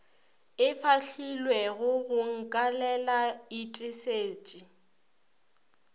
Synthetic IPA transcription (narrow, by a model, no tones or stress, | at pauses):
ɪfʰaɬilwɛɣʊɣʊŋ̩kʼalɛlaitʼɪseːt͡ʃʼi